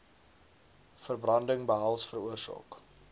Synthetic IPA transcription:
fərbrɐndəŋbəɦɐlˠsfəruərsɑ̰ːk

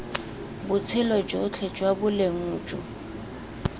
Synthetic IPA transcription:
bʊt͡sʰɪlɔd͡ʒʼot͡ɬʰɛt͡ʃʼwabʊleŋuːt͡ʃʼɔ

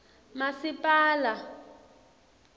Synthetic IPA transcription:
masipʼaːla

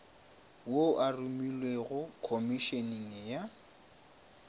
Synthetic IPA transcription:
woʔarumilweɣʊkʰomiʃeniŋɪja

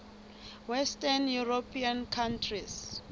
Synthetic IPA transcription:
wɛstanjuropʰiankʰantʰris

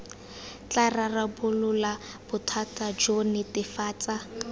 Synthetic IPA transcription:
t͡ɬararabʊlʊla | b̥ʊtʰatad͡ʒonɪtɪfaːt͡sa

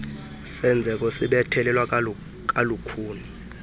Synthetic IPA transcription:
sɛnd͡zʱɛk̬ʼosiɓɛtʰɛlɛlwa | k̬ʼalukʰuːni

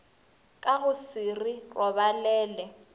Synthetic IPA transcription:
kʼaɣʊsirirʔɔβalɛːlɛ

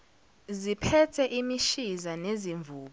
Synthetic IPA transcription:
zipʰɛtʰɛʔimiʃizaneziɱvuːɓ

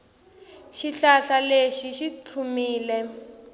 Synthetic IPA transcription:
ʃiɬaɬaleʃiʃit͡sʰumiːlɛ

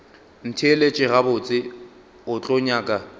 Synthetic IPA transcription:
n̩tʰelet͡ʃʼɪɣabʊt͡sʼɪ | ʊt͡ɬʼɔɲaːkʼa

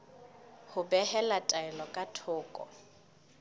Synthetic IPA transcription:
hʊbɛhɛlatʼaɛlɔkʼatʰʊːkʼɔ̰

